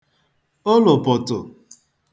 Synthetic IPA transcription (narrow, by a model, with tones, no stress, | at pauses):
o˦lʊ˨pʊ˨tʊ˨